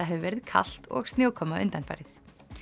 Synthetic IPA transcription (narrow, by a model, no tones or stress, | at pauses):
aɦɛvɪvɛɾɪðkʰa̰l̥t̪ɔ̰ɣst̪njoːwkʰɔmːaʏ̰nt̪anfa̰jɾɪθ